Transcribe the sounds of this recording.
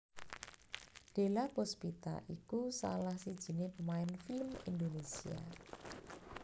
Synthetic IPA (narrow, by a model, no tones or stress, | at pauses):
ɖ̥e̤lapospit̪a̰ʔikusa̰lahsid̥ʒ̥i̤nepəmaɪnfilmḭnd̪onesia̰